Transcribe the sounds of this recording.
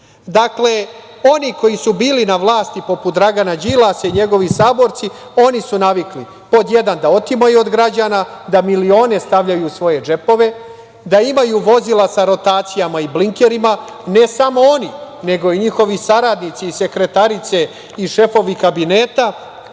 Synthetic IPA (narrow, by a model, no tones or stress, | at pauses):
d̪akle | o̞niko̞jisubiːlinaʋlˠaːst̪ipo̞put̪d̪ɾaɡanad͡ʑilˠasaiɲe̞ɡo̞ʋisaːbo̞ɾt̪si | o̞nisunaʋikli | po̞d̪je̞d̪and̪ao̞t̪imajuo̞d̪ɡɾad͡ʑaːnad̪amilio̞ːne̞st̪aʋʎajusʋo̞je̞d͡ʒe̞po̞ʋe̞ | d̪aimajuʋo̞zilasaɾo̞t̪aːt̪sijamaibliŋkeɾima | ne̞samo̞o̞nine̞ɡo̞iɲixo̞ʋisaɾad̪nit̪siːse̞kɾe̞t̪aɾit̪se̞ | iʃe̞fo̞ʋikabine̞ːt̪a